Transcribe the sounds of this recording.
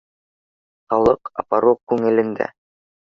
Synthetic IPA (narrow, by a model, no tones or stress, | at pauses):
χɑlˠɤqɑ̰pɑɾoqkːʉŋɘ̆lɘ̆nd̪æ̰